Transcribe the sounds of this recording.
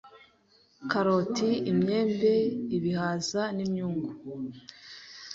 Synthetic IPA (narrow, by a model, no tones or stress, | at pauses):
kaɾo̞tiimɲe̞ːmbe̞iβihaːzanimɲuːŋɡu